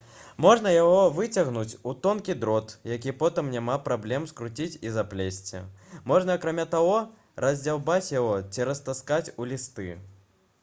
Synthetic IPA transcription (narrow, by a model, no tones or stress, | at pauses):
mɔʐnɐjaɣɔvɨt͡sʲɐɣnut͡sʲut̪ɔnkʲid̪ɾɔt̪jak̬ʲipɔt̪ɨmnʲamapɾablʲɛmskɾut͡sʲit͡sʲizaplʲesʲt͡sʲḭmɔʐnɐːkɾamʲat̪aɣɔ | rɐzʲd͡zʲawbat͡sʲjaɣɔt͡sʲiɾɐst̪askat͡sʲulʲist̪ɨ